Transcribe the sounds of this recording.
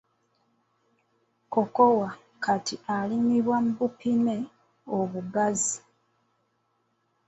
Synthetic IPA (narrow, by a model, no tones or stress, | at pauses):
kokowa | katialimiβwam̩bupine | oβuɡazi